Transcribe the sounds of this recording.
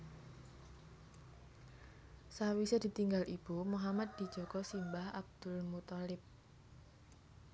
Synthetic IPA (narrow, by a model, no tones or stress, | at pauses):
sawised̪̥i̤t̪iŋɡalʔib̥umuɦamat̪̚d̪̥i̤d̥d͡ʒ̥ɔkɔsimbahab̚d̪̥ʊlmut̪ɔlɪp̚